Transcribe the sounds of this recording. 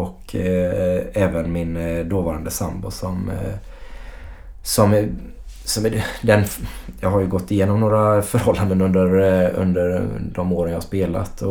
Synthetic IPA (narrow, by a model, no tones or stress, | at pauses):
ɔkʰ | ɛːvənmɪnd̪oːvɑːɾand̪əsa̰mbʊsɔm | sɔm | sɔmd̪ɛnjɑːɡɦaɾjɵɡɔt̪ːɪjeːnɔmnoːɾafœɾhɔlːand̪ənɵnd̪əɾɵ̰nd̪əɾd̪ɔmoːɾənjɑːhaʂspeːla̰t̪ʰɔ